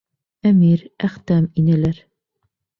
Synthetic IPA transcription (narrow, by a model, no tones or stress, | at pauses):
æmiɾæχt̪æminæ̆læɾ